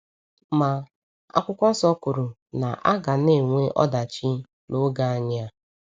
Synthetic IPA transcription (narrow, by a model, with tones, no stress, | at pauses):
ma˨ | a̰˦kʷʊ˦kʷɔ˦n̩˦sɔ˦kʊ˨ɾʊ˨ | na˨ʔa˦ɡa˨ne˦˨ŋʷe˦ʔɔ̰˦da˨t͡ʃi˦ | no˦ɡa˦ɲ˦a˦